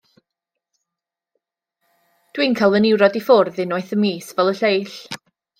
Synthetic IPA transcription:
d̥wiːnkʰalˠvənɪwɾɔdifʊrðɪnɔɨθəmiːsvɛlˠəɬejɬ

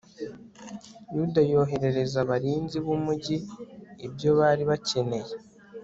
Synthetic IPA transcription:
judajo̞ːɦe̞ɾe̞ɾe̞zaβaɾiːnziβumuɟiː | bjo̞βaːɾiβace̞ne̞je

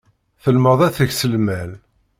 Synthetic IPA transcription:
θəlməðˤæθəçsəlmæl

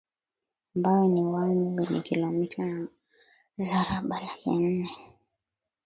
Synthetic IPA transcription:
ambaɔniwaɛmuwɛnḭkilɔmitʰana | zaɾaɓalakḭn̩nɛ

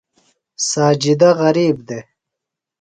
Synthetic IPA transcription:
saːd͡ʒid̪aʁɐɾiːbd̪e

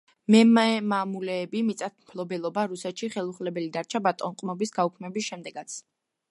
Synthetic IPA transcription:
mɛmɛmamulɛːbimit̪sʼat̪̚ʰmpʰlˠɔbɛlˠɔbaɾusɛt̪ʃiχɛlˠuχlɛbɛlid̪aɾt͡ʃʰabat̪ʼɔnqʼmɔbisɡaukʰmɛbisʃɛmd̪ɛɡat̪sʰ

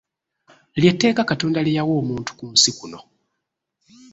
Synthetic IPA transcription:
ljetːe̞ːkakatoːndalijawoːmuːntu̥kumusikuno̞

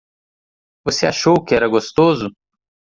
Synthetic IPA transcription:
voseaʃowkɪɛɾɐɡost̪ozʊ

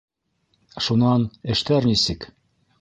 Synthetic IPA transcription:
ʃunɑnɘ̆ʃt̪æɾnisɘk

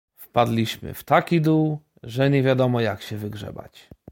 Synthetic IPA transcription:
fpad̪lʲiɕmɘ̰ft̪akʲid̪uw | ʐɛɲɛvʲjad̪ɔmɔjakɕɛvɘɡʐɛ̰ba̰t͡ɕ

